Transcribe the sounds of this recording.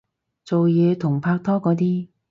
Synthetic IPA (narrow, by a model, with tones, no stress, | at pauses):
t͡so˨wjɛː˨˧t̪ʰʊ˨˩ŋpʰaː˧k̚t̪ʰɔː˥kɔː˨˧˥t̪̬iː˥